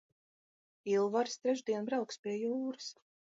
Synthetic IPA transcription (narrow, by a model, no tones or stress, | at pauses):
ilˠvaɾst̪ɾɛʒd̪iɛnbɾawkspʲiɛjuːɾɨs